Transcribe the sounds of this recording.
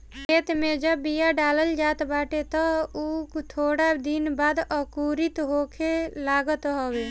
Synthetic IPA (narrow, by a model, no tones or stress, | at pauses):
kʰeːt̪mẽd͡ʒəbːijaɖaːləld͡ʒaːt̪baːʈet̪əut̪ʰoːɽad̪inbaːd̪əkuɾit̪ɦokʰelaːɡət̪ɦowe